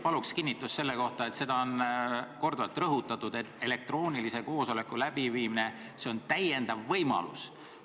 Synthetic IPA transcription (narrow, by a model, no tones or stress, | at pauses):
pɑlukskinʲːit̪ːˑusːe̞lːe̞ko̞ht̪ɑet̪se̞d̪̥ɑo̞nko̞rd̪uɑlt̪ˑrɤɦut̪ːˑɑt̪ːˑud̪̥e̞t̪ːˑe̞le̞k̚t̪ro̞ːnʲilise̞ko̞ːso̞le̞kːˑulæb̥iviːmine̞ | se̞o̞nt̪æje̞nd̪̥ɑvːɤjmɑ̰lṵs